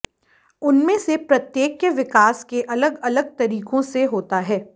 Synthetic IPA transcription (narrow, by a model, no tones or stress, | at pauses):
ʊnmẽsepɾɐt̪jeːkːʋɪkaːskeʔɐləɡɐləɡ̚t̪ɐɾiːkõseɦoːt̪aɦɛː